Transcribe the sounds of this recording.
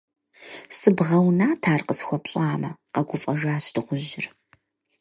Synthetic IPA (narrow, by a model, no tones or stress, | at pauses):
sɨbʁɐwnaːtʰaːrqəsxʷɔpɕʼaːmɐqɐɡʷʊfʼɐʒaːɕd̥ɨʁʷʊʑɪr